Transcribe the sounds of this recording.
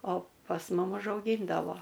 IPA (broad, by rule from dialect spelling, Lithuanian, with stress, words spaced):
oː pɐs ˈmʊm ʊʒɐʊˈɡʲiːndɐʋoː